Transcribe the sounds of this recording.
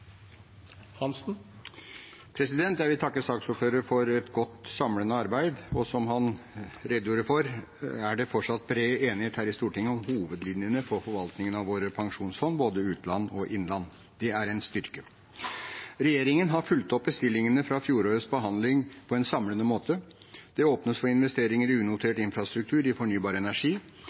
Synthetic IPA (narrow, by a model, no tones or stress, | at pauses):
hɑnsn̩ | pʰɾɛsɪd̪ɛnt̪jæɪʋɪlt̪ʰɑkːəsɑːksuːɾføːɾəɾfɔɾɛt̪ɡɔt̪ːsɑmlənəɑɾbæɪd̪ɔsɔmhɑnɾɛd̪ːjuːɾəfɔɾ | æɖɛfɔʈʂɑt̪̚ːbɾeːeːnɪheːt̪hæːɾɪst̪uːʈɪŋːəɔmhuːʋəd̪lɪnjənəfɔɾfɔɾʋɑlt̪nɪŋənɑʋʋoːɾəpʰɑŋʂuːnsfɔnːboːd̪əʉːt̪lɑnːɔʔɪnlɑnː | d̪̥ɛæɾɛɪnst̪ʏɾkə | ɾɛjeːɾɪŋənɦɑɾfʉlt̪ɔp̚bəst̪ɪlːɪŋənəfɾɑfjuːɾoːɾəsbəɦɑnd̪lɪŋpʰɔɛnsɑmlənəmoːt̪ʰə | d̪̥ɛoːpnəsfɔɾɪnʋɛst̪eːɾɪŋəɾʉːnʊt̪ʰeːʈɪnfɾɑst̪ɾʉk̚t̪ʰʉːɾɪfɔɳyːbɑːɾəɛnæʂiː